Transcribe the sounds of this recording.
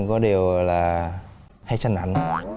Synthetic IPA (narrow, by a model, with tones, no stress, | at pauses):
kɔ˨˦ɗi˨˩əwlaː˨˩ | ha˧jsa˧ŋʔa̰˧˩jŋ̟